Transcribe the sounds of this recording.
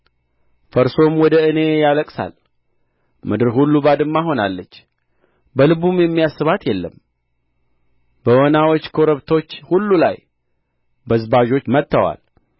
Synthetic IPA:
fəɾso̞mwɔd̪əɨne̞jaləkʼsa̰l | mɨd̪ɨɾɦulːubad̪ɨmːaɦo̞na̰lːət͡ʃː | bəlɨβumjɛmːijasːɨβat̪jɛlːəm | bəwɔnawot͡ʃːkʰo̞ɾəβt̪ʰo̞t͡ʃːhulːula̰j | bəzbaʒo̞t͡ʃːmət̪ːəwa̰l

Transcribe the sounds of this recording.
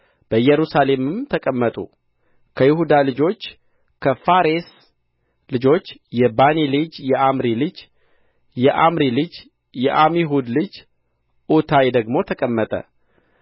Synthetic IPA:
b̥əjɛɾusale̞mɨmt̪ʰəkʼəmːət̪ʼṵ | kʰəjɪhud̪alɨd͡ʒo̞t͡ʃː | kʰəfaɾes | lɨd͡ʒo̞t͡ʃːjɛbanelɨd͡ʒjɛʔamɾilɨd͡ʒ | jɛʔamɾilɨd͡ʒ | jɛʔamiɦud̪lɨd͡ʒ | ʔut̪ʰajd̪əɡmo̞t̪ʰəkʼəmːət̪ʼə̰

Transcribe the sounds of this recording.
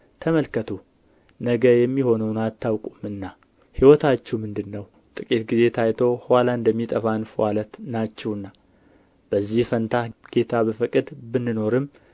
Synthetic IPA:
t̪ʰəməlkʰːət̪ʰu | nəɡəjɛmːiho̞nəwnat̪ʰːawkʼumɨnːa | hiwɔt̪ʰat͡ʃːɛuwmɨnd̪ɨnːəw | t̪ʼɨkʼit̪ɡize̞t̪ʰajt̪ʰo̞hwalaɨnd̪əmːit̪ʼəfanfwalət̪nat͡ʃːɛwɨnːa | b̥əzːihfənt̪ʰaɡ̥e̞t̪ʰabəfɨkʼɨd̪bɨnːɨno̞ɾɨmː

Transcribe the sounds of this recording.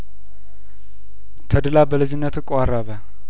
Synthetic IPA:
t̪ʰəd̪ɨlabəlɨd͡ʒɪnːət̪ɨkʼʷaraβə

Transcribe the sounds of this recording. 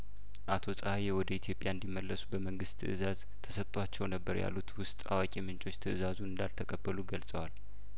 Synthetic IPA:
ʔat̪ʰo̞sʼahajewɔd̪əit̪ʰjo̞pʼjaɨnd̪imːəlːəsu̥bəməŋɡɨst̪ʰɨ̰ʔɨzaz | t̪ʰəsət̪ʼwat͡ʃːɛwnəbːəɾja̰lːut̪wʊst̪ʼa̰wakʼimɨnt͡ʃʼo̞t͡ʃːt̪ʰɨʔɨzazunɨnd̪alt̪ʰəkʼəbːəluɡəlsʼəwal

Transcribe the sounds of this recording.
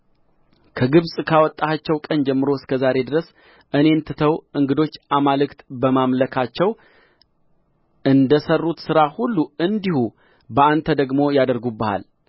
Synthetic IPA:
kʰəɡɨβsʼkʰawɔt̪ʼːaat͡ʃːɛwkʼənd͡ʒɛmːɨɾo̞skʰəzaɾe̞d̪ɨɾəs | ʔɨne̞nt̪ʰɨt̪ʰəwʔɨŋɡɨd̪o̞t͡ʃːʔamalɨkt̪bəmamləkʰat͡ʃːɛw | ɨnd̪əsərːut̪sɨɾahulːuɨnd̪ihu | bəant̪ʰəd̪əɡmo̞jad̪əɾɡubːəha̰l

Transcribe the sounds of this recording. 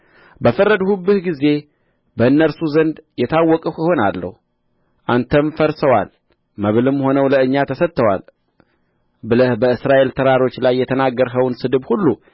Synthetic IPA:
bəfərːəd̪hubːɨhɡize̞ | bəɨnːəɾsuzənd̪jɛt̪ʰawːɔkʼəho̞na̰lːə̰hu | ʔant̪ʰəmfəɾsəwa̰l | məβlɨmːho̞nəwləɨɲːat̪ʰəsət̪ːəwa̰l | bɨləhbəɨsɾaʔe̞lt̪ʰəɾaɾo̞t͡ʃːlajːɛt̪ʰənaɡːəɾɦəwnsɨd̪ɨbhulːu

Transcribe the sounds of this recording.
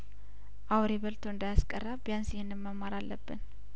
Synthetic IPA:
ʔawɾeβəlt̪ʰoɨnd̪ajaskʼərːabijansɪhɪnːɨmːəmːaɾalːəbːɨn

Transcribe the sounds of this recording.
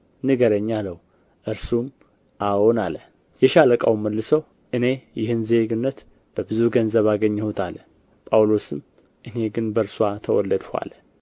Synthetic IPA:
nɨɡəɾəɲːaləh | ʔɨɾsum | ʔawonalə | jɛʃaləkʼə̰wməlːɨsəw | ʔɨne̞jɪhɨnze̞ɡɨnːət̪ | b̥əbɨzuɡənzəβaɡəɲːhot̪ʰalə | pʼawlo̞sɨm | ʔɨne̞ɡɨnbəɾswat̪ʰəwɔ̰lːəd̪ha̰lə

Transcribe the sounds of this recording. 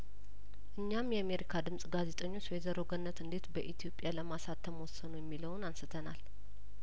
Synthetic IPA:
ʔɨɲːamjɛame̞ɾikʰad̪ɨmsʼɡaze̞t̪ʼəɲːo̞t͡ʃːɛzəɾo̞ɡənːət̪ɨnd̪e̞t̪bəʔit̪ʰijo̞pʼjaləmasat̪ʰːəmwɔsːənujɛmːiləwʊnansɨt̪ʰənal

